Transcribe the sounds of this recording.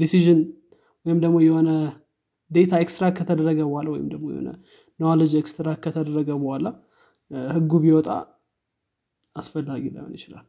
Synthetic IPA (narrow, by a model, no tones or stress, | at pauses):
d̪isiʒɪn | wɔjɪmd̪əɡmo̞jɛho̞nə | d̪e̞t̪ʰaekst̪ɾakʰːət̪ʰəd̪əɾːəɡəbəhalawɔ̰jɪ̰md̪əɡmojɛ̰ho̰nə̰ | nowalod͡ʒekst̪ɾakʰːət̪ʰəd̪əɾːəɡəbəhala | hɨɡːuβiwɔt̪ʼa̰ | asfəlːaɡila̰jho̰njɪt͡ʃɪla̰l